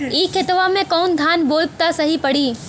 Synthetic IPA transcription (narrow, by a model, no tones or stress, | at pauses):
iːkʰɪt̪ʋamẽkɔːnd̪ʱaːnboːlp̚t̪asɐɦipɐɽ̤iː